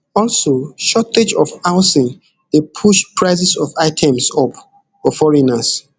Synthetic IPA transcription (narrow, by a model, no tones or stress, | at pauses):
ɔlsoʃɔtʰed͡ʒɔfaʊsĩn | depʰuʃpʰɹaɪs̬ɛsɔfaɪtʰɛ̃msɔp | ɔfɔɹinas